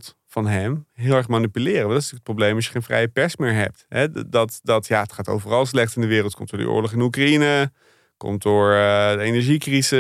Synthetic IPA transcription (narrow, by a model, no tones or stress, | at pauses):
t | fɑnɦɛmɦɪːlˠɛɹχmanipylɪːrəʋlˠdɑtɪstyːkətprowblejmɑs̬jə̥χejnfrɛ̰jəpɛɹsmɪːɹɦɛ̰p̚tɦɛdɑtdɑtjaːətχaːto̰wvərɑlˠslɛχtsɪndəʋɪːrəlˠtkɔ̰mtd̥ʊːdə̰ʔʊ̰ːɹlɔχɪnukrainə | kɔ̰m̚dʊːɹdəejnɛɹʒikrizə